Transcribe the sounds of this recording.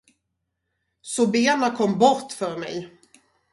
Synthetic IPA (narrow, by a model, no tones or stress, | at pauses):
sɔbeːnakʰɔmːbɔɾʈfœɾmɛ̰j